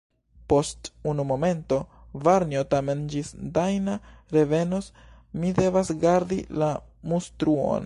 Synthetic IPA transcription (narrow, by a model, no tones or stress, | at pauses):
po̞stunumo̞me̞nto̞ | vaɾniotame̞nd͡ʒisdajnaɾe̞ve̞no̞s | mide̞vasɡaɾdilamustɾuo̞̰n